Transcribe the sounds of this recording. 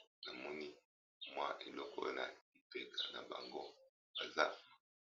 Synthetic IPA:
na˨mɔ˦ni˦ | mwa˦ʔe˨lɔ˦kɔ̰˦j̰na̰˨i˨pe˦kʰḁ˨na˨ba˨ŋɡo˦ | ba˨za˦

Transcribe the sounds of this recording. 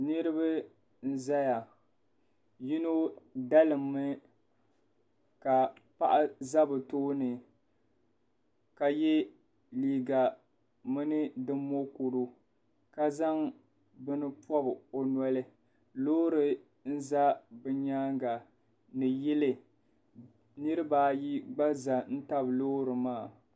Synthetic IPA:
nɨ˦ɾɨ˦bɨ˦ | n̩˦za˦ja˨ | ji˦no˦da˦lɨ˨mːɨ˦ | ka˨pa˦ʔa˦za˦bɨ˨toː˦nɨ˨ | ka˨jɛ˦ | liː˨ɡa˨ | mɨ˦nɨ˦dɨ˦mːo˦ku˨ɾu˦ | ka˦za˦ŋ | bɨ˦nɨ˦pɔ˦bɨ˨o˨nwa˦lɨ˦ | loː˦ɾɨ˨ | n̩˦za˦bɨ˦ɲaː˦ŋɡa˨ | nɨ˨jɪ˦lɨ˨ | nɨ˦ɾɨ˦baː˦ji˦ɡ͡ba˦za˨n̩˦ta˦bloː˦ɾɨ˨maː˦˨

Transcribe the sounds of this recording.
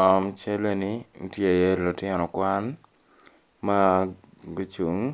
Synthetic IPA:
ɔ˨mt͡ʃe˦le˦ni˦ŋ̩̰˦tje˦a˨je˦ɾlʊ˨tɪ˦nɔ˨kwa˦n | ma˦ | ɡo˦t͡ʃu˨ŋ

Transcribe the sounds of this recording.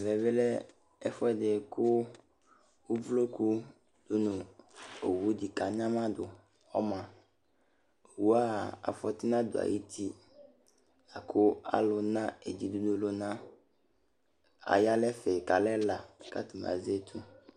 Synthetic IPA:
vɛ˨be˦lɛ˦ | fɔ˦ɛ˨de˨kʰʊ˦ | wu˦vlo˦ku˦ | d̪̥ʊ˦nũ˨o̰˨wu˨˦di˨ka˨ɲã˦mã˦d̪ʊ˨ | ɔ˦mã˨ | o˨wu˦a˦˨a̰˨fɔ˦t̪i˦nã˦d̪ʊ˨a̰˨ji˦t̪ʰi˦ | a˨kʰʊ˦a̰˦lʊ˨nã˦e˨d͡ʑi˨d̪u˦dʊ˦lo˦nã˦ | a̰˨ja˦lɛ˦fɛ˨ka˨lɛ˦la˨ka̰˦t̪u˨m˨ã̰˨ze˦t̪ʰu˦

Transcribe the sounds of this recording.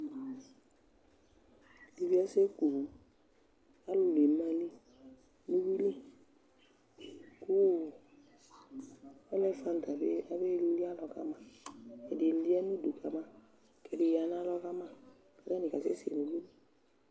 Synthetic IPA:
li˨bi˦a˦se˦ku˨ | a˦lʊ˦le˨˦ma˦li˦ | nu˦wi˦li˦ | ku˦ | ɛ˦lɛ˦fã˨n˨ta˨be˦a˨be˦lli˦a˦lɔ˨ka̰˦ma˦ɛ˨dɪ˨˦li˦a˦nu˦du˨kʰa˨ma˦ | kɛ˨dɪ˨ja˨n˦a˦lɔ˦ka˦mã˦ | ka˨da˦ni˨ka˨se˦sḛ˨nu˨bi˦li˦

